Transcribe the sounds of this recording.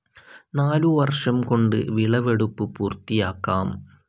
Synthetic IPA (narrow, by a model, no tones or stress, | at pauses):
naːluʋɐrʂɐmko̞ɳɖɨ̰ʋiɭɐʋe̞ɽupːɨpuːrt̪ijaːkːaːm